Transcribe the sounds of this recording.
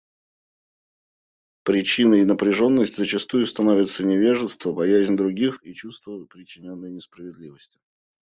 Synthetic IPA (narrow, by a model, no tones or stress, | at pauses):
pɾʲɪt͡ɕinəɪnəpɾʲɪʐo̞nːəsʲtʲzət͡ɕɪst̪ujʊst̪ɐnovʲɪt̪sənʲɪvʲe̞ʐɨst̪vəbɐjæzʲnʲd̪ɾʊɡʲixit͡ɕust̪vəpɾʲɪt͡ɕːɪnʲonːəjnʲɪspɾəvʲɪd̪lʲivəsʲtʲɪ̥